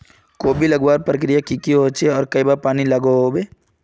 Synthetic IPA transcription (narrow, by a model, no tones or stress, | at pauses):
koːbʱilɐɡwaːɾpɾək̬ɾijakikiɦoːt͡ʃʰeɔːɾkɐibaːɾpaːnilɐɡoɦoːbeː